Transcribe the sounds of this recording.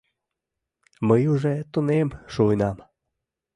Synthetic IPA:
məjuʒet̪unemʃojnɑm

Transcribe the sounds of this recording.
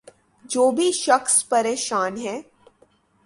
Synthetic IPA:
d͡ʒoːbʱiʃɐxspɐɾeːʃaːnɦɛ̃ː

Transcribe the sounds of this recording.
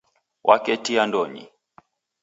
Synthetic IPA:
wʔakɛtiandɔɲḭ

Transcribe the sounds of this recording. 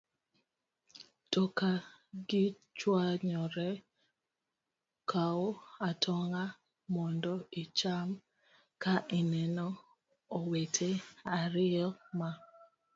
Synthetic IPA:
tɔkaɡɪ | t͡ʃwaɲɔɾɛ | kʰaoatʰɔŋa | mɔndɔɪt͡ʃam | kaʔɪnɛnɔ | owetʰeaɾɪɔma

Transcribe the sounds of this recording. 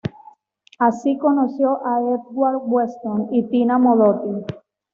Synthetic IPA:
asikonosjoʔaet̪̚ɣwaɾwwest̪onit̪inamoðot̪i

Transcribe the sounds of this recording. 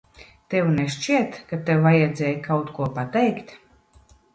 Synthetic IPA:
t̪ɛwnɛʃt͡ʃiɛt̪kat̪ɛwvajɛd̪zʲɛːjkawt̪kuɔpat̪ɛjkt̪

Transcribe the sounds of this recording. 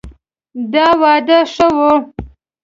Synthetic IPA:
d̪ɑwɑːd̪əʂəwo

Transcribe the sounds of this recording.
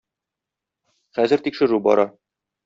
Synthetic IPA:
χæzɘ̆ɾt̪ikʃɘ̆ɾubɒ̰ɾɑ

